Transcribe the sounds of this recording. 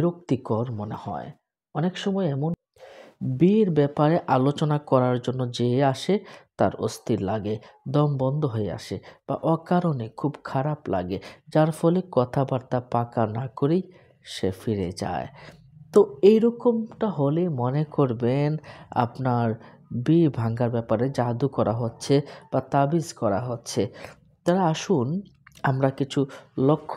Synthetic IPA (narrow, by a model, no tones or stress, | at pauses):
ɾokt̪ikoɾmonehɔ̰e | ɔnekʃɔmɔeɛmon | biɾbɛpaɾeʔalot͡ɕonakɔɾaɾd͡ʑonːod͡ʑeaʃet̪a̰ɾo̰st̪iɾlaɡed̪ɔmbɔnd̪ʱoɦoea̰ʃeb̥a̰ʔɔkaɾonekʰubkʰaɾapla̰ɡed͡ʑaɾfɔlekɔt̪ʰabaɾt̪apakanakoɾej | ʃefiɾed͡ʑa̰e | t̪oejɾɔkomʈaɦolemɔnekoɾbena̰pnaɾ | bibʱaŋɡaɾbɛpaɾed͡ʑad̪ukɔɾaɦotːɕʰeb̥at̪abiskɔɾa̰ɦotːɕʰe | t̪aɾaaʃun | amɾakit͡ɕʰulokʰː